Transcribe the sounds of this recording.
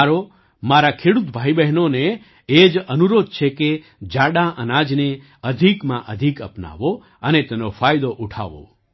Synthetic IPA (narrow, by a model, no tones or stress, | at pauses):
aɾo | maɾakʰeɽut̪bʱaibɛɦnoneː | d͡ʒənuɾod̪̚t͡ʃʰeke | d͡ʒaɽaʔənad͡ʒne | əd̪ʱikmãʔəd̪ʱikə̰pna̰ʋo | ənet̪enofajd̪oʔuʈʰa̰ʋo̰